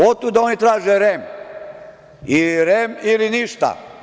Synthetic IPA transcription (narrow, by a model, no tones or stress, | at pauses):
ot̪ud̪ao̞nit̪ɾaːʒeɾem | iɾemiliniʃt̪a̰